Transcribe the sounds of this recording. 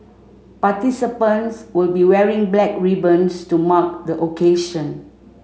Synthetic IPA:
patisipə̃nswilbiwɛɹĩŋblɛk̚ɹibə̃nstumak̚dəʔokeʃə̃n

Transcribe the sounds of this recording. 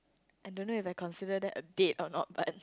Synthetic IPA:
ʔãjdõnːoifajkʰɔ̃nsidədɛtədetɔnɔ̰t̚bat̚

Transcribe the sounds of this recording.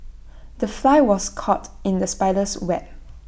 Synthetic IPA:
dəflaɪwɔskʰɔtɪ̃ndəspaɪləswɛt̚

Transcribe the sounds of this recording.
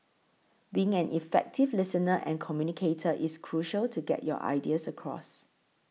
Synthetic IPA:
biɪ̃ŋɛ̃nʔifɛ̰k̚tʰɪvlɪsənəʔɛ̰̃nkʰɔmjunikʰetʰəʔiskʰɹuʃəltʰuɡɛ̰t̚jɔ̰ʔa̰ɪdiəsəkʰɹɔ̰s

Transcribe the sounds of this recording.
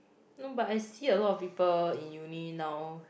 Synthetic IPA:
nobatajsiəlɔtɔfpipəlĩnjuninãw

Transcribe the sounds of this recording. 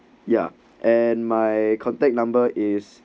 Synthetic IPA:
ja̰ | ʔɛnmajkʰɔ̃ntɛk̚nãmbəʔis

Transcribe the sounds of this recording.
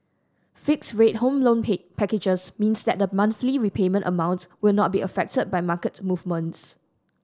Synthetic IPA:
fɪksɹet̚hõmlõnpʰɛkɪd͡ʒəsmĩnsdɛt̚dəmãnθliɹipʰemə̃ntʔə̰mãʊ̃ntwɪlnɔt̚biəfɛk̚təd̚bajmakətmuvmə̃nts

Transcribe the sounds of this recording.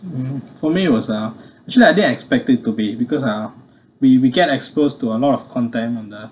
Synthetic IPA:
fɔmit̚wɔsaɛk̚t͡ʃuəliaɪjdidənɛkspɛk̚təd̚tubibikɔsa | wiwiɡɛtɛkspostuəlɔtɔfkʰɔ̃ntɛ̃mɔ̃ndɛt̚

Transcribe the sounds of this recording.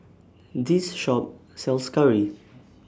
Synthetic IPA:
disʃɔp̚sɛlˠskaɹi

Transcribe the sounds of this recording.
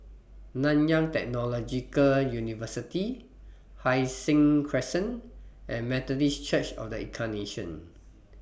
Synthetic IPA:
nãnjãŋtɛk̚nɔlɔd͡ʒikəljunivəsiti | hajsĩŋkʰɹɛsə̃nʔɛ̃nmɛt̪ɔdist͡ʃət͡ʃɔ̰fdəḭ̃kʰaneʃə̰̃n

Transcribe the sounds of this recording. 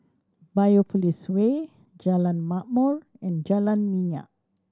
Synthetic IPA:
bajofuliswe | d͡ʒalãnmaʔmɔɹɛ̃nd͡ʒalanmĩɲa̰ʔ̚

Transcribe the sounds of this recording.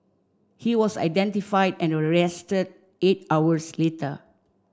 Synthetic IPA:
hiwɔsa̰jdɛ̃ntifajdɛ̃nəɹɛstəd̚ | et̚awəsletə

